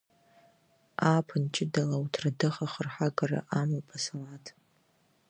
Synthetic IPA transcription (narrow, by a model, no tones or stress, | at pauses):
aːpʰɨnt͡ʃʰɪdalawtʰradɨχaχərħaɡara̰ʔamɨlpʰasalatʰ